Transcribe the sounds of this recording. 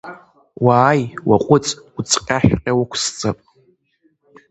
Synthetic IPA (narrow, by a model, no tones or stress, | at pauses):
waːjwaqʷʼʊt͡sʼut͡sʰʼqʲʼaħᶣqʲʼawakʷʰst͡sʼapʼ